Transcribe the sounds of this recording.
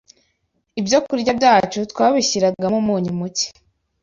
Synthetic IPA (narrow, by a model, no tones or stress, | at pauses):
ibjo̞kuɾɟabɟaːt͡ʃutwaːβiçiɾaɡamumuːɲimuci̥